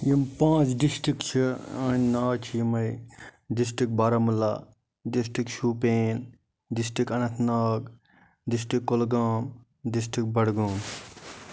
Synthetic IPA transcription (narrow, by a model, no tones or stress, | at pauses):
jimpãːt͡ʃɖisʈɾikt͡ʃʰiɐnʲnaːt͡ʃʰijimɐjdisʈik̚baːɾɐmula̰ | ɖis̬ʈikʃuːpeːn | ɖisʈikɐnɐt̪ʰnaːɡ | ɖis̬ʈikːolɡaːm | dis̬ʈik̚bɐɽɡuːm